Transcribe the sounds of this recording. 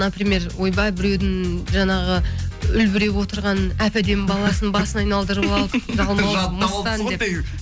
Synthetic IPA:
nɑpɾime̞ɾwojbɑjbɪɾe̞wd̪ɪŋʒɑnɑʁəʏlbɪɾe̞pwo̞t̪əɾʁɑnæpæd̪e̞nbɑlˠɑsənbɑsənɑjnɑlˠd̪əɾəpɑlˠəpʒɑlˠmɑmət̪ɑnd̪e

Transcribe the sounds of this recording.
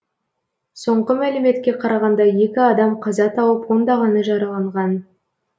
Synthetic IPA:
so̞ɴqəmælɪme̞t̪kʲe̞qʰɑɾɑʁɑnd̪ɑje̞kʲɪɑd̪ɑmqʰɑzɑt̪ʰɑwəpwo̞nd̪ɑʁɑnəʒɑɾɑlˠɑɴʁɑn

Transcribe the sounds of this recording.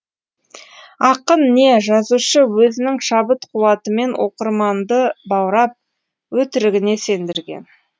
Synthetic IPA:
ɑqənːe̞ʒɑzuʃəwɵzɪnɪŋʃɑbət̪qʰʊwɑt̪əme̞nwʔo̰qəɾmɑnd̪əbɑwɾɑp̚ | wɵt̪ɪɾɪɡʲɪne̞se̞nd̪ɪɾɡʲe̞̰n

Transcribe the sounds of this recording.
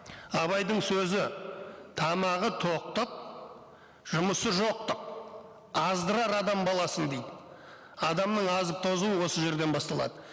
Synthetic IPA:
ɑβɑjd̪əɴsɵzɪt̪ʰɑmɑʁət̪ʰoq̚t̪əq̚ | ʒ̥ʊməsəʒo̞q̚t̪əq̚ | ɑzd̪əɾɑɾɑd̪ɑmbɑlˠɑsənd̪ejd̪ɪ | ɑd̪ɑmnəɴɑzəp̚t̪ʰo̞zuwəwo̞səʒe̞ɾd̪e̞nbɑst̪ɑlˠɑ̰d̪ə

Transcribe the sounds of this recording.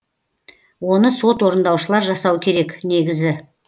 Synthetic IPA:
wo̞nəso̞t̪wo̞ɾənd̪ɑwʃəlˠɑɾʒɑsɑwəkʲʰe̞ɾe̞kne̞ɡʲɪzɪ

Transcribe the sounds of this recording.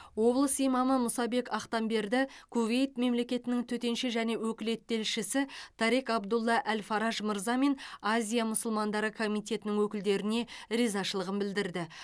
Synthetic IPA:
wo̞blˠəsijmɑməmʊsɑbe̞kɑqt̪ɑmbe̞ɾd̪ɪkʰuve̞jt̪me̞mle̞kʲe̞t̪ɪnɪŋt̪ʰɵt̪e̞nʃɪʒæne̞wɵkʲɪle̞t̪ːe̞lʃɪsɪt̪ʰɑɾikɑbd̪ʊlˠːɑʔælfɑɾɑʒməɾzɑme̞nɑzʲijamʊsʊlˠmɑnd̪ɑɾəkʰo̞mijt̪ʰʲe̞t̪ɪnɪŋwɵkʲɪld̪e̞ɾɪne̞ɾizɑʃəlˠəʁənbɪld̪ɪɾd̪ɪ

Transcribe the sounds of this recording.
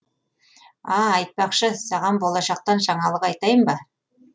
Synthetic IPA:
ɑːjt̪̚pɑqʃəsɑʁɑmbo̞lˠɑʃɑq̚t̪ɑnʃɑɴɑlˠəqɑjt̪ɑjəmbɑ

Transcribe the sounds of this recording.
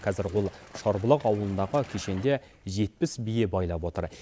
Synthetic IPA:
qʰɑzɪɾwo̞lˠʃɑɾbəlˠəqɑwəlˠənd̪ɑʁəkʲʰe̞ʃe̞nd̪e̞ | ʒe̞t̪̚pɪsbijebɑjlˠɑpwo̞t̪ə̰ɾ

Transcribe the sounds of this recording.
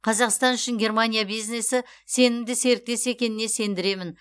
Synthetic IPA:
qʰɑzɑqst̪ɑnʏʃɪŋɡʲe̞rmanʲijabijzne̞sɪ | se̞nɪmd̪ɪse̞ɾɪk̚t̪e̞se̞kʲe̞nɪne̞se̞nd̪ɪɾe̞mɪn

